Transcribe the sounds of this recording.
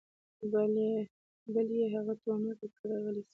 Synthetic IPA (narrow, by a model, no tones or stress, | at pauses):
bale | baljeɦaɣat̪wɑnaʈəkaɾɑɣəlisi̥